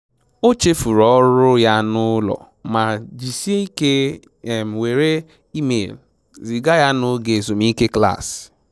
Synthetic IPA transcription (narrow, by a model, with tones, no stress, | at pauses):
o˦t͡ʃe˦fu˨ɾɔ˦ɾʊ˦ja˦nʊ˦lɔ̰˨ | ma˨d͡ʒi˨si˦e˦i˦ke˦˨ | m̩˨we˨ɾe˦ | i˦mḛ˨l | zi˨ɡa˦ja˦nʊ˦ɡe˨zo˨mi˦ke˦kla̰˦˨s